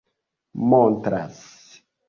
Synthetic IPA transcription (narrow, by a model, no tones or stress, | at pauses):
montɾa̰s